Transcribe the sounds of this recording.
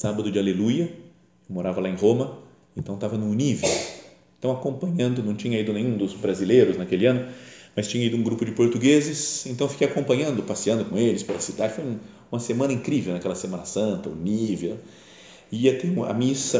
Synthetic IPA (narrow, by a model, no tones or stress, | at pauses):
sabɐd̪ʊd͡ʒɪalelujɐ | ewmoɾavɐlaẽj̃hõmɐ | ẽnt̪ɐ̃w̃t̪avɐnʊuniviẽt̪ɐ̃w̃akõpɐ̃ɲɐ̃nd̪ʊnɐ̃w̃t͡ʃĩɲɐid̪ʊnẽj̃ũd̪ʊzbɾazilejɾʊznɐkelɪɐ̃nʊmɐst͡ʃĩɲɐid̪ũɡɾupʊd͡ʒɪpoɾt̪uɡezɪsẽt̪ɐ̃w̃fi̥kejakõmpɐ̃ɲɐ̃nd̪ʊpasiɐ̃nd̪ʊkõelɪspaɾɐsid̪ad͡ʒɪfojũ | ũmɐsemɐ̃nɐĩkɾivewnɐkɛlɐsemɐ̃nɐsɐ̃nt̪ɐṵnivew | iɐt̪eũɐa̰misɐ